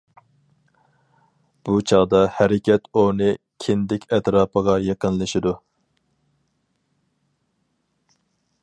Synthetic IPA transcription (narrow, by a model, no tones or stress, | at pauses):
b̥ut͡ʃʰɑʁd̪ɑhæɾɪkʲʰɛt̪onɨ | kʲʰɪnd̪ɪkʲʰɛt̪ɾɑːpʰəʁɑjeqənlˠɨʃɪd̪u